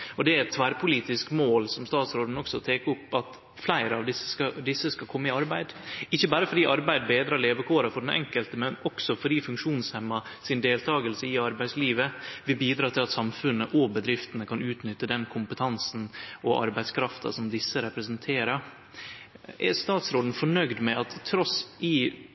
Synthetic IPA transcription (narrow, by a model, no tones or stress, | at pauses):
ɔd̪ɛæɾɛt̪ʰːʋæːɾpʰʊliːt̪ɪskmoːlsɔmst̪ɑːt̪sɾoːd̪n̩ɔksɔt̪ʰeːkəʊpːɑt̪ | flæɪɾəɑʋd̪ɪsːə̥skɑd̪ɪsːəskɑkʰɔmːəɪɑɾbæɪd̪ɪçːəbæːɾəfɔɾiːɑɾbæɪd̪beːd̪ɾɑːɭeːʋəkʰoːɾɑfɔɖɛnʔɛ̰ŋkəlt̪əmɛnɔksɔfɔɾiːfʉŋkʂuːnshɛmːɑsɪnd̪eːlt̪ʰɑːɡəlsəɪɑɾbæɪsliːʋəʋɪbiːd̪ɾɑːt̪ʰɪlɑt̪sɑmfʉnːəʔɔbəd̪ɾɪft̪ənəkʰɑnʉːt̪nʏt̪ːəd̪ɛnkʰʊmpət̪ʰɑnsn̩ʔɔʔɑ̰ɾbæɪskʰɾɑft̪ɑ̰sɔmd̪ɪsːəɾɛpɾəsənt̪ʰeːɾɑ | ʔæɾst̪ɑːt̪sɾoːd̪n̩fɔɳœɡd̪mɛɑt̪ʰːɾɔsɪ